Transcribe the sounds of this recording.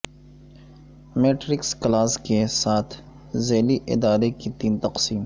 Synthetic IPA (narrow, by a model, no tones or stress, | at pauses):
meːʈɾɪksklaːskesaːt̪ʰ | zeːliʔɪ̰d̪aːɾekit̪iːnt̪ɐqsiːm